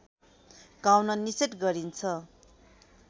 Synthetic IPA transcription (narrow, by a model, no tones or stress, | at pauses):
ɡawnʌniseʈɡʌɾint͡sʰʌ